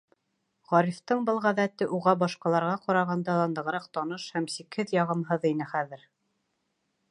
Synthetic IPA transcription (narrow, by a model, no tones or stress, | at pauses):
ʁɑɾift̪ɤɴbɤlˠʁæðæt̪ɘʔuʁɑbɑʃqɑlˠɑɾʁɑqɑɾɑʁɑnd̪ɑlˠɑnd̪ɤ̆ʁɤɾɑq̚t̪ɑnɤʃhæmsikhɘðjɑʁɤ̆mɦɤðin̪ɘχæðɘɾ